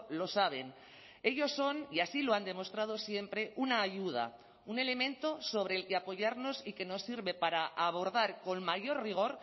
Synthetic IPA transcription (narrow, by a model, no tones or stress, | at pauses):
lo̞saβ̞e̞n | e̞ʎo̞sːo̞niasilo̞and̪e̞mo̞st̪ɾað̞o̞sje̞mpɾe̞ʔunaːʝuð̞a̰ | une̞le̞mẽ̞nt̪o̞so̞β̞ɾe̞ːlke̞apo̞ʝaɾno̞sike̞no̞sːiɾβe̞paɾaʔaβ̞o̞ɾðaɾko̞nmaʝo̞rriɣ̞o̞ɾ